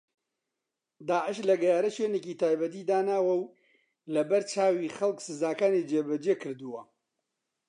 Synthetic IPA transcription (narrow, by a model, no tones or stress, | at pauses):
d̪aːʕəʃlɐɡɐjaːɾɐʃweːneciːt̪ʰaːjbɐt̪iːd̪aːnaːwɐw | lɐbɐɾt͡ʃaːwiːxɐlˠksɨzaːkaːnid͡ʒeːbɐd͡ʒeːkɨɾd̪uwɐ